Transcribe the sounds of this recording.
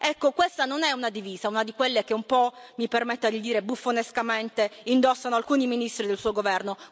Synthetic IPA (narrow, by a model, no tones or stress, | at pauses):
ɛkːokwest̪anonɛunad̪iviːzaunad̪ikwelːek̟eumpɔmipermet̪ːad̪id̪iːɾebufːoneskament̪eind̪ɔsːanoalkuːniminist̪ɾid̪elsuːoɡovɛrno